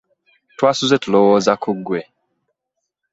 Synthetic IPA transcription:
twasuzɛtulɔwɔzakuɡwɛ

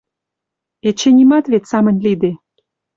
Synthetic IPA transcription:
et͡ɕenʲimɑt̪βet̪ʲsɑmə̆nʲlid̪e

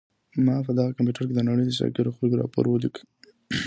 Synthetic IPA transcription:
mɑpəd̪ɑɣakamp̬juʈəɾked̪ənaɽəjd̪əsɑ̰kiɾoxlɡɾɑ̰po̰ɾwəlikə

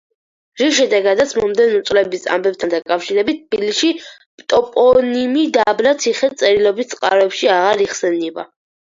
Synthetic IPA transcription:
ɾiʃ̬ɛd̪ɛɡad̪at̪sʰmɔmd̪ɛnɔt̪sʼlɛbisa̰mbɛp̚t̪ʰand̪akʼafʃiɾɛbit̪̚t̪ːbiliʃi | pt̪ʼɔpʼɔnimid̪ablat̪sʰiχɛt̪sʼɛɾilˠɔbit̪̚t̪sʼqʼa̰ɾɔɛpʃiaʁaɾiχsɛnɛba̰

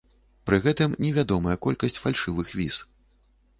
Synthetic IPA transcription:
pɾɨɣɛt̪ɨmnʲɛvʲad̪ɔmɐjɐkɔlʲkɐsʲt͡sʲfalʲʂɨvɨxvʲḭs

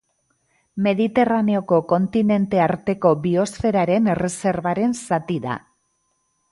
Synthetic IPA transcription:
me̞ðit̪e̞rane̞o̞ko̞ko̞nt̪ine̞nt̪e̞aɾt̪e̞ko̞βio̞sfe̞ɾaɾe̞nere̞se̞ɾβaɾe̞nsat̪iða̰

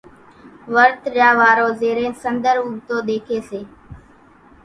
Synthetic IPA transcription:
ʋəɾt̪ɾjaːʋaːɾoːzeːɾẽːsənd̪əɾuːbt̪oːd̪eːkʰeːseː

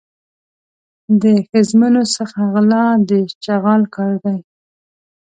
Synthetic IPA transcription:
d̪əxɪzmanosəxaɣlɑd̪ət͡ʃaɣɑlkɑɾd̪aj

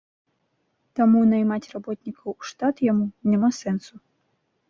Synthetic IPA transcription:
t̪amunɐjmat͡sʲrabɔt̪nʲikɐwuʂt̪at̪jamunʲamasɛnsu

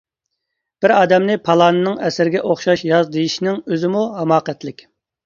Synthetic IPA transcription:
b̥ɪɾɑːd̪ɛmnɪpʰɑlˠɑːnɨnɨŋɛsɪɾɪɡʲɛʔoχʃɑʃjɑzd̪ejiʃinɪŋøzɪmuhɛmɑːqɛt̪lɪkʲ

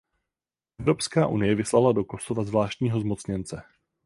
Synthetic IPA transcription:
ʔʔɛvɾo̞pskaːʔunɪjɛvɪslalado̞ko̞sovazvlaːʃt̪ɲiːɦo̞zmo̞t͡sɲɛnt͡sɛ

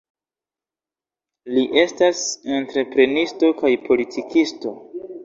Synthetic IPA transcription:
liʔe̞stasentɾe̞pɾe̞nisto̞kajpʰo̞litʰikʰisto̞

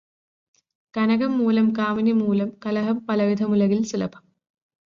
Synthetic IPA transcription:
kɐnɐɣɐmːuːlɐmkaːminimuːlɐmkɐlɐɦɐmpɐlɐʋid̪ʱɐmulɐɣilsilɐpɐ̥m

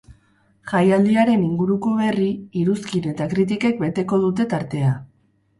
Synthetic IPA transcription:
ʝajald̪iaɾe̞niŋɡuɾuko̞βe̞riiɾuskine̞t̪akɾit̪ike̞k̚be̞t̪e̞ko̞ð̞ut̪e̞t̪aɾt̪e̞a

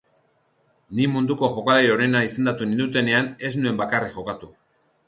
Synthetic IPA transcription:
nimund̪uko̞xo̞kaleɾo̞ne̞naise̞nd̪at̪unind̪ut̪e̞ne̞ane̞znue̞mbakarixo̞kat̪u

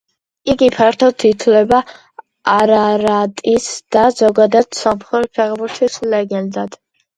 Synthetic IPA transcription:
iɡipʰaɾt̪ʰɔt̪ʰit̪ʰlɛba | aɾaɾat̪ʼisd̪̥azɔɡad̪ad̪̥sɔmχɛɾpʰɛʁbuɾt̪ʰislɛɡɛnd̪ad̪̥

